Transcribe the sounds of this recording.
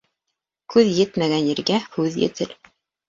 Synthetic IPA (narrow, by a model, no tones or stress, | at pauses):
kʉðjɘt̪mæɡænjĭɾɡæhʉðjɘ̰̆t̪ɘl